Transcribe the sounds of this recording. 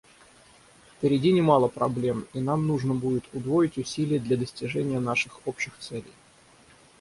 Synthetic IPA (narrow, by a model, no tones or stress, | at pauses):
fpʲɪɾʲɪdʲinʲɪmalˠəpɾɐblʲe̞minamnuʐnəbudʲɪt̪ʰʊd̪vo̞ɪtʲʊsʲilʲɪjəd̪lʲɐd̪əsʲtʲɪʐɛnʲɪjən̪aʂɨxopɕɪxt̪sɛlʲɪ̰j